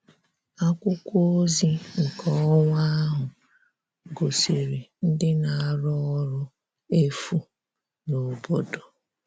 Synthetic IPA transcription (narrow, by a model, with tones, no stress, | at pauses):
a˦kʷʊ˦kʷo˦zi˦ŋ̩˨kʰɔ˨˦ŋa˦ɦʊ˨ | ɡo˨se˨ɾe˨n̩˦dɪ˦na˨a˨ɾɔ˦ɔ˦ɾʊ˦ | e˦fu˦ | no˨bo˦do˨